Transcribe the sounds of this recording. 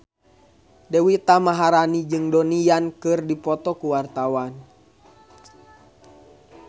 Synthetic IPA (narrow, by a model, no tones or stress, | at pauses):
dɛwit̪amaɦaɾanid͡ʒɨŋdɔnijankɨrdipɔt̪ɔkuwart̪awan